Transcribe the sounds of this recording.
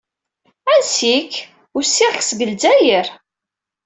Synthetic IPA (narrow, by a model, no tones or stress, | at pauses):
ænsik | ʊɾsːiʁçsɡəlzæjəɾ